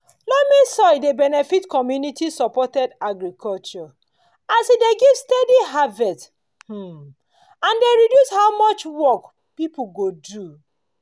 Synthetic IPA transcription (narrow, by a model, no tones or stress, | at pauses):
lɔmisɔjdebɛnɛfitkɔmjunitisɔpɔtɛdaɡɹikʰɔlt͡ʃɔ | asideɡivstediɦavɛt | h̩ | ãndeɹidjushawmɔt͡ʃwɔk | pipuɡodu